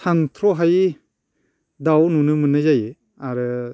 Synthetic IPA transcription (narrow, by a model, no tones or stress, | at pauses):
sʰantʰɾɔɦaj | dawnunɯmɯnɯzaje | aɾɯ